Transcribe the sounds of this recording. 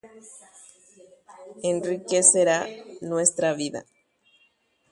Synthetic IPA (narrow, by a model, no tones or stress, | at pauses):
enrikeseɾanwe̞st̪ɾaβiða̰